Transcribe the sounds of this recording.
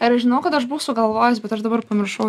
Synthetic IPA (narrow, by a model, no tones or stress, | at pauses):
ɐɾʒʲɪnɐʊkɐt̪ɐʃbusʊɡɐlˠʋoːjɛsbʲɛt̪ɐʃd̪ɐbɐɾpɐmʲɪɾʃɐʊ